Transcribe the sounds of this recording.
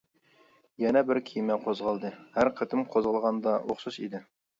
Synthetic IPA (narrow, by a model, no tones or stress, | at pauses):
jɛnɛbɪɾkʲʰijmæqʰozʁɑlˠd̪ɤhæɾqʰə̆t̪ɪmqʰozʁəlˠʁɑnd̪ɑwoχsɤʃid̪ɪ